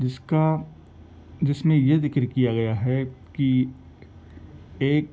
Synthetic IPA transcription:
d͡ʒɪska | d͡ʒɪsmẽjezɪkɾkijaɡɐjaɦɛki | eːk̚

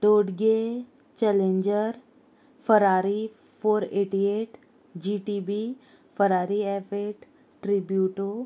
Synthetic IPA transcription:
ɖoːɖɡe | t͡ʃɛlẽɲd͡ʒəɾ | fʰəɾaːɾi | foːɾeːʈieːʈ | d͡ʑiːʈibi | fəɾaːɾiɛfeːʈ | ʈɾibjuːʈo

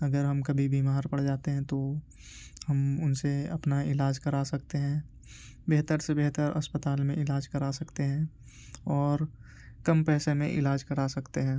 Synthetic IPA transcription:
ɐɡəɾɦɐmkɐbʱibʱiːmaːɾpɐɽd͡ʒaːt̪eɦɛ̃t̪o | hɐmʊnseɐpnaɪlaːd͡ʒkɐɾasɐk̚t̪eɦɛ̃ː | beːt̪əɾsebeɦt̪əɾɐ̰spət̪aːlmẽʔɪlaːd͡ʒkɐɾasɐkt̪eɦɛ̃ː | ɔːɾ | kɐmpɛːsemḛ̃ʔɪlaːd͡ʒkɐɾasɐkt̪eɦɛ̃ː

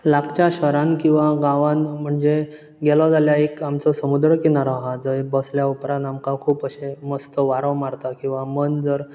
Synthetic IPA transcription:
lakt͡ɕaɕəɾankĩw̃ʋaɡãʋãnm̤əɳd͡ze | ɡɛlɔd͡zaljaekamt͡sɔsəmud̪ɾəkinaɾɔɦad͡zəebəsljaupɾãd̪amkakʰuːpəɕeməst̪əʋaɾəmaɾt̪akĩw̃ʋamənd͡zəɾ

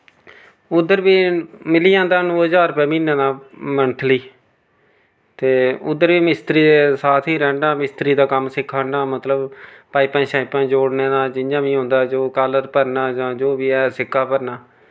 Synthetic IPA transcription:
ʊd̪ːəɾbiːmɪliːãːnd̪aːnoːɦəzaːɾpɛːmĩːnãːnaːmənt̪ʰliː | t̪eːʊd̪ːəɾbiːmɪst̪ɾiːd̪eːsaːt̪ʰiːɾɛːɳɖaːmɪst̪ɾiːd̪aːkəmsɪkʰːãːɳɖaːmət̪ləbpaːipãːʃaːɪpãːd͡ʒoːɽnẽːd̪aːd͡ʒɪnd͡ʒãːʋiːɦõːnd̪aːd͡ʒoːkaːləɾpəɾnaːd͡ʒãːd͡ʒoːbiːɛːsɪkʰːaːpəɾnaː

